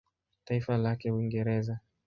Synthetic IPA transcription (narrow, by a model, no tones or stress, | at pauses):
taifalakɛwiŋɡɛɾɛza